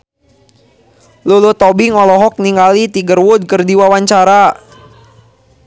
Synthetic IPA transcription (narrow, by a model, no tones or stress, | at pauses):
lulut̪ɔbɪŋɔlɔɦɔk̚niŋɡalit̪iɡərwud̚kərdiwawaɲt͡ʃaɾa